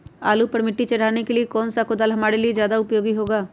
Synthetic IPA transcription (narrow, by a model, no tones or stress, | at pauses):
a̰ːlupɐɾmɪʈːit͡ʃɐɽ̤aːnekeliekɔːnsakod̪aːlɦɐmaːɽelied͡ʒjaːd̪aʊpjoːɡiɦoːɡaː